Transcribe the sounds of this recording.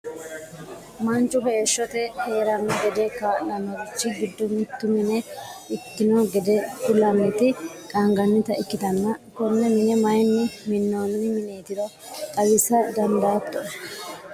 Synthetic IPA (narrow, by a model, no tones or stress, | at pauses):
mɐnt͡ʃʼːʊɦe̞ːʃːɔt̪ɛhe̞ːɾɐnːɔɡɛd̪ɛkaːnɐnːɔɾɪt͡ʃːɪɡɪd̪ːʊmɪt̪ːʊmɪnɛɪkːɪnɔɡɛd̪ɛkʊlɐnːɛt̪ɪkʼɐŋɡɐnːɪt̪ɐʔɪkːɪt̪ɐnːɐkɔnːɛmɪnɛmɐjnːɪmɪnːoːnɪmɪneːt̪ɪɾɔ | k̪ʼɐɡɪsɐd̪ɐnd̪aːt̪ːɔʔ